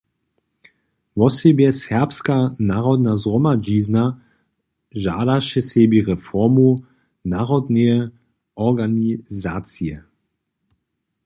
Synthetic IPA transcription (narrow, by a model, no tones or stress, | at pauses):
vɔsebjɛsɛɐpskanaːʁɔd̪nazʁɔmaʒiːzna | ʒaːdaʃɛsɛbiʁɛfɔʁmo | naːʁɔd̪nɛ | ʔɔʁɡanizaːt͡siə